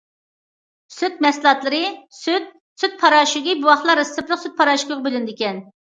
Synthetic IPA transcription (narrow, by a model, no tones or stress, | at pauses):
syt̪̚mɛslˠɑt̪lˠɨɾɨsyt̪̚ | syt̪̚pʰɑɾɑːʃiɡʲibuwɑχlˠɑɾesɨplˠəqsyt̪̚pʰɑɾɑʃukəʁɑbɪlɪnd̪ɪkʲɛn